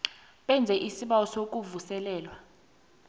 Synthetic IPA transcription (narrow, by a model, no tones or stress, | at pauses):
ɓɛnd͡zʱɛʔisiɓawɔsok̬ʼuvusɛlɛːlwa